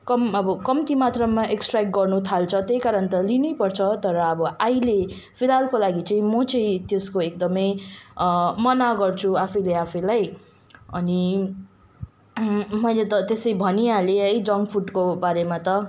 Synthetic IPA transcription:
kʌmʌbʌkʌmt̪imat̪rʌmaʔeksʈrakʈ̚ɡʌrnut̪ʰalt͡sʰʌt̪ejkaɾʌnt̪ʌlinujpʌrt͡sʰʌt̪ʌɾʌːbʌʔajle | pʰilalkolaɡit͡saĩmʌt͡saĩt̪eskoek̚d̪ʌmʌj | mʌnaɡʌrt͡sʰuapʰʌjleapʰʌjlaj | ʌni | mʌjlet̪ʌt̪esʌibʱʌniãleʌjd͡zʌŋɡpʰuʈkobaɾemat̪ʌ

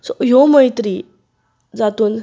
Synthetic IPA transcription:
sɔjoməjt̪ɾi | d͡zat̪uːn

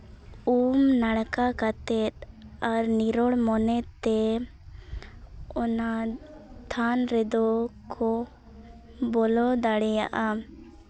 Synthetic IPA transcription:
umnaɽkakat̪ɛt̪̚aɾniɾɔɽmɔnɛt̪ːɛ | ɔna | t̪ʰanɾɛd̪ɔkʰɔ | bɔlɔd̪aɽɛja̰ʔa

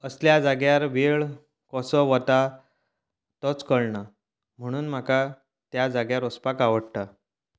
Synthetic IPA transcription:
əsljad͡zaɡjaɾʋeɭ | kɔsɔʋət̪a | t̪ɔt͡skəɭɳa | m̤əɽ̃uːnm̤aka | t̪jad͡zaɡjaɾɔspakaʋəɽt̪a

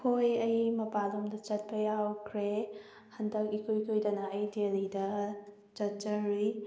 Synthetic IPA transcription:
hʰojɐjmɐpalomdɐt͡ʃɐt̚pɐjawkʰɾe | hɐndɐk̚ikʰojkʰojdɐnɐːjdelidɐ | t͡ʃɐt̚t͡ʃɐɾi

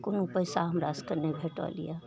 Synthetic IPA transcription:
kʊnupəɪsaɦɐmɾaːskəɾnebʱeːʈa̰lḭja

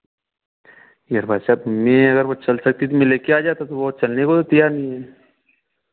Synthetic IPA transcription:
jaɾbʱaːsaːbmẽɐɡəɾʋot͡ʃɐlsɐk̚t̪it̪imẽleːkeaːd͡ʒaːt̪at̪obot͡ʃɐlnekot̪ot̪ɐjaːɾnəĩɦɛː

